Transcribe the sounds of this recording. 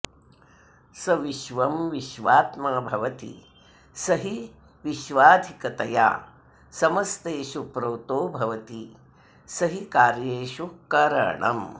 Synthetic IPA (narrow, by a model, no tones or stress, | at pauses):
sɐʋiʃʋɐmʋiʃʋaːt̪maːbʱɐʋɐt̪ḭ | sɐɦi | ʋiʃʋaːd̪ʱikɐt̪ɐja̰ː | sɐmɐst̪eːʃupɾɐːt̪oːbʱɐʋɐt̪i | sɐɦikaːɾjeːʃukɐɾɐ̰ɳɐ̰m